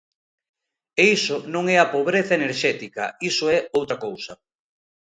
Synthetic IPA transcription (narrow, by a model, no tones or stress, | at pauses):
eisonõŋɛɐpoβɾeθaɐeneɾʃɛt̪ikɐ̰isoɛowt̪ɾɐkowsɐ